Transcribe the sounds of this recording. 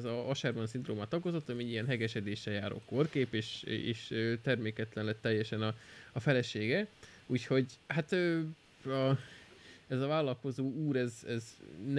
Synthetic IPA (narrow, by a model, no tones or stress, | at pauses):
zɒɒʃɛrmɒnsind̪roːmaːt̪ɒɡo̞zo̞t̪ːɒmiɛɟijɛnɦɛɡɛʃɛd̪eːʃːɛjaːɾo̰ːko̞rkeːpeːʃeːʃøt̪ɛrmeːkɛt̪lɛnlɛt̪ːɛjːɛʃɛnɒɒfɛlɛʃeːɡɛ | uːcho̞ɟhat̪øː | ɒ | ɛzɒvaːlːɒlko̞zoːuːɾɛzɛzn